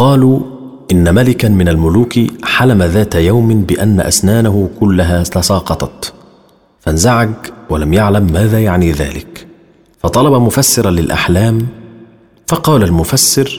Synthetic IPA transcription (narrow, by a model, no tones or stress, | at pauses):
qɑːluː | ʔɪnːamalɪkanmɪnalmʊluːkħalamaðaːt̪ajawmɪbɪʔanːa̰ʔa̰snaːnaɦʊkʊlːaɦaːt̪ɑsɑːqɑt̪ˤɑt̪ | fanzaʕaɡwalamjaʕlamːaːðaːjaʕniːða̰ːlɪ̰k | fɑt̪ˤɑlɑbɑmʊfasːɪɾˤɑlɪlʔa̰ħlaːm | fɑqɑːlalmʊfasːɪɾ